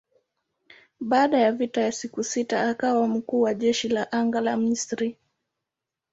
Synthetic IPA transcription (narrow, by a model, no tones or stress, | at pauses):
ɓaːɗajavitajasikusitaːkawam̩kuːwaʄɛʃilaʔaŋɡalam̩isɾi